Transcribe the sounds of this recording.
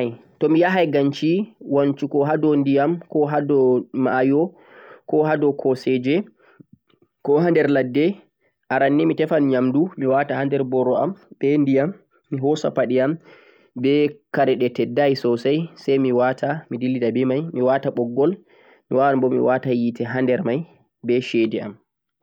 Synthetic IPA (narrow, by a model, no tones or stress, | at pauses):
j | tɔmijaɦajɡaɲt͡ʃiwant͡ʃukɔɦadɔndijamkɔɦadɔmajɔ | kɔɦadɔkʰɔsɛd͡ʒɛ | kɔɦandɛɾladːɛ | ʔaɾanːɛmitɛfanɲamdumiwatahandɛɾbɔɾɔa̰mbɛndijamː | iɦɔsa̰paɗiam | bɛkaɾɛɗɛtɛdːajsɔsajsajmiwatʰamidilːidabɛmajmiwataɓɔɡːɔl | miwawanbɔmḭwatajitɛɦandɛɾmaj | bɛʃɛdɛa̰m